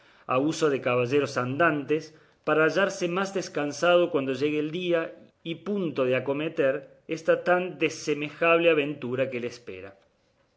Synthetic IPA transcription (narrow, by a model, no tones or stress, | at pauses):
a̰uso̞ðekaβaʒeɾo̞sand̪ant̪es | paɾaːʒaɾsemazðeskansað̞o̞kwand̪o̞ʒeɣeːld̪ia | ipunt̪o̞ðeako̞met̪eɾ | est̪at̪and̪esemexaβleaβent̪uɾakelespḛɾa